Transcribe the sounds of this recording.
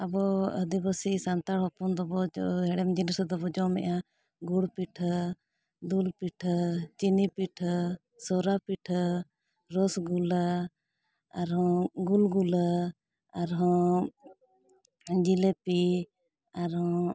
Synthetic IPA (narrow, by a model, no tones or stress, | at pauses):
abɔəd̪ibəsisant̪aɽɦɔpɔnd̪ɔbɔɦɛɽɛmd͡ʒinəsd̪ɔbɔd͡ʒɔmɛ̰ʔa | ɡuɽpiʈʰ | d̪ulpiʈʰət͡ʃinipiʈʰ | sɔɾapiʈʰ | ɾɔsɡula | aɾɦɔ̃ɡulɡulə | aɾɦɔ̃ | d͡ʒilepi | aɾɦɔ̃